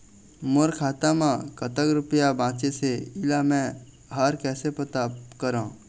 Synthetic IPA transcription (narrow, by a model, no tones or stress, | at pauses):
moɾkʰaːt̪amãkət̪əkɾʊpəjabʱãːt͡ʃeseɪlamɛ̃ | ɦaɾkɛːsepət̪akəɾãː